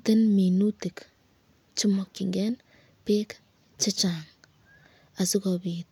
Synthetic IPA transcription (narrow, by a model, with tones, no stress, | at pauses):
te˦nmi˨nu˦ti˨k | t͡ʃi˦mɔ˨kːi˨ŋɡɛ˦n | peː˦k | t͡ʃa˦t͡ʃaŋ | a˨si˦kɔpit̚